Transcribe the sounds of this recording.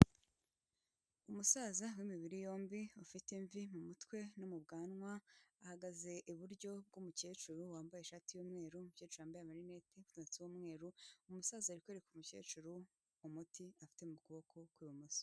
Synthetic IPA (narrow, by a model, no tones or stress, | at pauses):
umusazawimiβiɾijo̞ːmbiufiteɱvimumutwe̞nomubɡaːnŋwaːhaɡaze̞ʔiβuɾɟo̞b̚ɡumuceːt͡ʃuɾuwaːmbajeʃaːtijoːmŋe̞ːɾumucet͡ʃuɾjaːmbajamaɾinetekutot͡sewoːmŋe̞ːɾuumusaːzaɾikweɾekumuce̞̰ːt͡ʃuɾu | umutiafi̥te̞mukuβo̞kʰo̞kwiːβumusi̥